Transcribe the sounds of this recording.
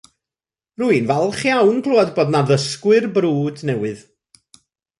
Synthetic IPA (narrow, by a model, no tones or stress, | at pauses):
ruɨnvɛlˠχjawnɡʰlˠuɔdboːdnaðəskwɨrbɾuːdnɛwɨð